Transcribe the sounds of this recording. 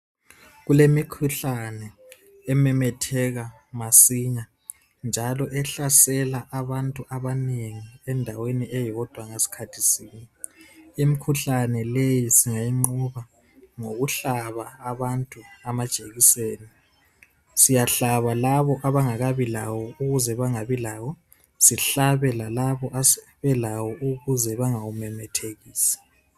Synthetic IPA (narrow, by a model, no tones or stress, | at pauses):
ɣulemikʰuɬanɛ | ɛmɛmɛtʰɛɣa | masiɲa | nd͡ʒʱalɔʔɛɬasɛlaʔaβantʼuʔaβaneŋiɛndʱaweniʔɛjɔd̥ʱwaŋasi̥kʰatʰisiːniimikʰuɬanɛlejisiŋajiŋ͡ǃuβa | ŋoɣuɬaβaːβantʼuamad̥ʒ̥ʱʼeɣiseːni | sijaɬaβalaβɔʔaβaŋaɣaβilawɔuɣuzɛβaŋaβilawɔ | siɬaβɛlalaβɔʔas | βɛlawɔʔuɣuzɛβaŋawumɛmɛtʰeɣiːsi̥